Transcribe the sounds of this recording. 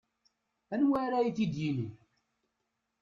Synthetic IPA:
ænwæɾæiθid̪jini

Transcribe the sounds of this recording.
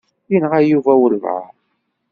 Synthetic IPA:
jinʁæjuvæwəlvʕa̰

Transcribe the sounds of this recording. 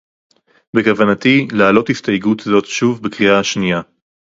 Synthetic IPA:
bekavanatilaːlo̞thistajɡutazo̞tʃuvbekʁiaaʃnija

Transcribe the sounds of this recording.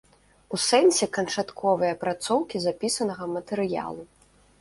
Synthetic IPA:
usɛnʲsʲɛkɐnt͡ʂat̪kʰɔvɨjɐpɾat̪sɔwkʲizapʲisɐnɐɣɐmɐt̪ɛɾɨja̰lˠu

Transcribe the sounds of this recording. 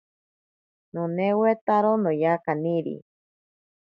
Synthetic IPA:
nonewet̪aɾonõjakaniɾḭ

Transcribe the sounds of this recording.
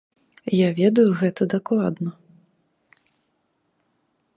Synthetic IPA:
javʲɛd̪ujuɣɛt̪ɐd̪aklˠad̪nɐ

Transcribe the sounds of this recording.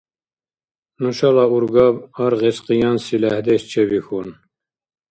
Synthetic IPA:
nuʃɑlɑuɾɡɑbɑɾʁesqijɑnsilæhd̪ɛʃt͡ʃʰɛbixun

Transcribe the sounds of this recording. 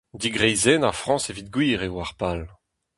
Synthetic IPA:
d̪iɡʁɛjzɛnafʁɑ̃sevit̪̚ɡwiːʁewaʁpal

